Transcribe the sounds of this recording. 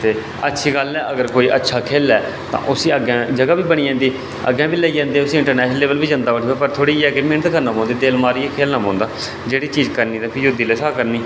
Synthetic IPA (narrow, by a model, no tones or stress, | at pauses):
t̪eː | ətːʃʰiːɡəlɛːʔəɡəɾkoːiːʔə̰tːʃʰaːkʰeːlɛː | t̪ã̰ːʔʊsĩːəɡãːd͡ʒəɡaːbiːbəɽ̃iːãːnd̪iː | ə̰ɡɛ̃ːbiːlɛiːd͡ʒãːnd̪eːʊsiːɪɳʈəɾnɛːʃnəleːʋəlbiːd͡ʒə̃nd̪aːbəʈʰiːbaːpəɾt̪ʰoːɽiːɛːkɪmeːnət̪kəɾnaːpɔ̃ːnd̪iːd̪eːlmaːɾiːɛːkʰeːlnãːbɔ̃ːnd̪aː | d͡ʒeːɽiːt͡ʃiːd͡ʒkəɾniːt̪ãːpʰɪɾjod̪iːleːsaːkəɾniː